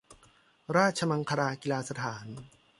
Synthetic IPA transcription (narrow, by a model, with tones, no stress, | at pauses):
ɾaː˥˩t̪̚t͡ɕʰa˧ma˧ŋkʰa˧ɾaː˧ki˧laː˧sa˧t̪ʰaː˩˦n